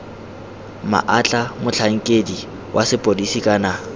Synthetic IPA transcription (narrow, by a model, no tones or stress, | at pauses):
ma̰ʔat͡ɬʼamʊt͡ɬʰaŋ̩kʼedi | wʔasɪpʼodisikʼana